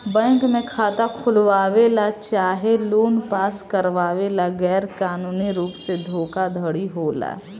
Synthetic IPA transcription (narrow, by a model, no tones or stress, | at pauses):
bɛ̃ːŋkmẽkʰaːt̪akʰʊlʋaːʋelat͡ʃaːɦeloːnpaːskəɾʋaːʋelaɡɛːɾkaːnuːniɾuːpsed̪ʱoːkad̪ʱəɽiɦoːla̰ː